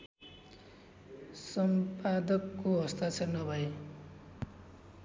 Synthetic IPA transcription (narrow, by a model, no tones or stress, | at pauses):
sʌmpad̪ʌkːoɦʌst̪at͡sʰʌnʌbʱʌe